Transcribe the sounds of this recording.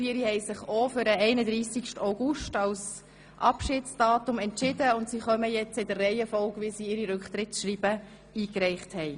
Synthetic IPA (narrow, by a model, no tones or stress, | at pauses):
fiːɾihɛɪsɪχofʏɾəɛɪnəd̪ɾiːsikʃtaʊɡ̥ʊʃtɑls | ʔɑ̰pʃɪːtsd̥ɑːtʊmɛntʃɪdəʊntsiːχœməjɛt͡sɪd̥̪ərːɛɪjəfɔlkʋisiːɪɾiɾʉkχt̪ɾɪtʃɾiːb̥ə | iːkɾɛɪχthɛɪ